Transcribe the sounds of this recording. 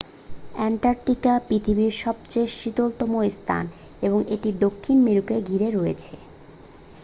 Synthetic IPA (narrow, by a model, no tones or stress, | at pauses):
ɛɳʈaɾʈikapɾit̪ʰibiɾʃɔb̚t͡ɕeʃit̪olt̪ɔmoist̪ʰa̰n | eboŋeʈid̪okʰːinmiɾukeɡʱiɾeɾoet͡ɕʰe